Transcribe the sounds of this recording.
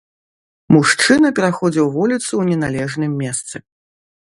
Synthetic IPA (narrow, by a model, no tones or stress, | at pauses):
muʂt͡ʂɨnɐpʲɛɾaxɔd͡zʲiwvɔlʲit̪suwnʲɛnalʲɛʐnɨmːʲɛst̪sɨ